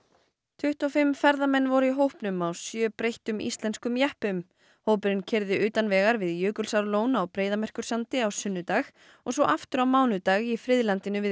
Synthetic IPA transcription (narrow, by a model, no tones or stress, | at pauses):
t̪ʰʏht̪awfɪmːfɛɾðamɛnːvɔɾʏiɦowhpnʏmawsjœːpɾejht̪ʏmḭst̪lɛnskʏmjɛhpʏm | howpʏɾɪncʰɛɾðɪʏːt̪anvɛːɣaɾvɪðjʏːkʏlsaɾloːwnawpɾeːjðamɛr̥kʏɾ̥sant̪ɪawsʏnːʏt̪aːx | ɔɣs̬ɔʔaft̪ʏɾawmaːwnʏt̪aːɣifɾɪðlant̪ɪnʏvɪð